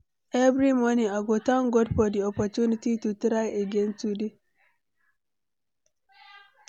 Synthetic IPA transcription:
ʔɛvɾimɔniaɡɔtãŋɡɔdpɔdiɔpɔtunititutɾajaɡɛ̃ntude

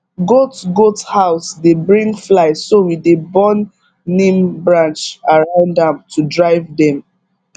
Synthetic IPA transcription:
ɡotɡothaʊsdebɹĩŋɡflaɪsowidebɔ̃nː | ĩmbɹãnt͡ʃaɹãʊ̃ndãmtʰudɹaɪvdɛ̃m

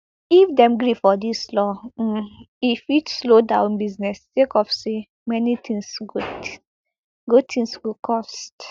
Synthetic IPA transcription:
ifdɛ̃mɡɾifɔdislɔ | ifitslodãʊ̃nbiznɛstekɔfse | mɛnit̪ĩŋsɡud | ɡud̚tʰĩŋswikʰɔst

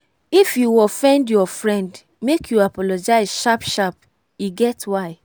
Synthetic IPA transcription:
ifjuɔfɛ̃ndjɔfɹɛ̃nd | mekʰjuapɔlɔd͡ʒaɪsʃapʃap̚ | iɡɛtwaɪ

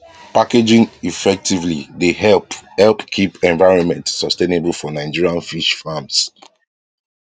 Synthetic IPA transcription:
paked͡ʒĩŋifɛk̚tivlideɦɛhɛlpkʰipɛ̃ɱvaɪɹɔ̃nmɛ̃ntsɔstẽnebəlfɔnãɪ̃d͡ʒiɹialfiʃfams

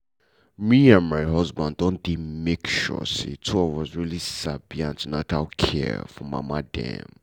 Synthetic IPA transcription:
miãnmaɪɦʌzbãndõndidmekʃɔ̰sḭtʰuɔvɔzɹilisabiãntunata̰lkʰɛ̰fɔma̰ma̰dɛ̰̃m

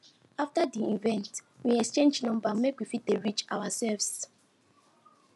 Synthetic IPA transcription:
aftadiĩvɛ̃ntwiɛkst͡ʃẽnd͡ʒnɔ̃mbamekwifit̚deɹit͡ʃa̰wasɛlvs

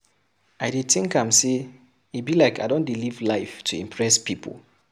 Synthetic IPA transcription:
ʔaɪdid̚θɪ̃ŋkãmse | ibilaɪkaɪdõndilivlaɪftʰuḭ̃mpʰɹɛspipʰə̰lˠ

